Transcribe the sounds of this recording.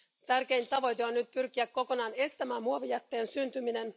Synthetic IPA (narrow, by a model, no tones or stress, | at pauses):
t̪ærkejnt̪ːɑʋo̞jt̪eo̞nːyt̪̚pyrk̟iækkːo̞ko̞nɑːne̞st̪æmæːmmuɑʋijæt̪ːe̞ːnsynt̪ymine̞n